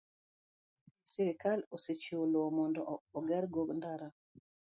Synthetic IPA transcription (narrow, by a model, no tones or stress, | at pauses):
siɾikaloset͡ʃiwolomɔndɔɔɡɛɾɡoɡndaɾa